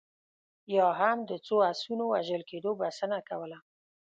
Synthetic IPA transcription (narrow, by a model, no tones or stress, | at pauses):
jɑɦamd̪ət͡soasunowaʒəlked̪obasənakawəla